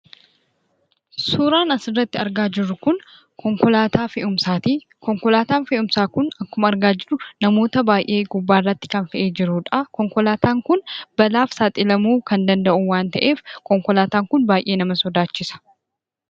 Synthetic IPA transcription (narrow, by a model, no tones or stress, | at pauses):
suːɾaːnɐsɪrːɐt̪ːɪɐɾɡaːd͡ʒɪɾːʊkʊn | kɔŋkɔlaːt̪ʰaːfɛʔʊmsaːt̪iː | kɔŋkɔlaːt̪aːnfɛʔʊmsaːkʊnɐkːʊmɐɐɾɡaːd͡ʒɪɾʊnɐmo̞ːt̪ɐbaːjʔe̞ːɡʊbːaːrːɐt̪ːɪ̥kɐnfɛʔeːd͡ʒɪɾuːᶑɐkɔŋkɔlaːt̪aːŋkʊnb̥ɐlaːfsaːt̪ʼɪlɐmuːkɐnd̪ɐnd̪ɐʔuwaːnt̪ɐʔe̞ːfkɔŋkɔlaːt̪aːŋkʊnbaːjʔe̞ːnɐmɐsɔd̪aːt͡ʃːɪsɐ̥